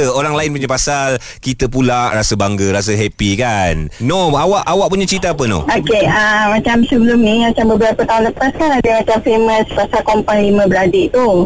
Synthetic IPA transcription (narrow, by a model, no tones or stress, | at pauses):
əoɾaŋlaɪnpuɲapasal | kit̪əpulaʔrasəbaŋɡəɾas̬əɦɛpikanːoawaʔawaʔpuɲat͡ʃɾit̪aap̬əno̰ʔokeəmãt͡ʃamsəbəlumnĩmat͡ʃambəbəɾapət̪aɦũnləpaskanadəmat͡ʃamfemə̃spasalkɔmpanlimə̃bəɾadeʔt̪u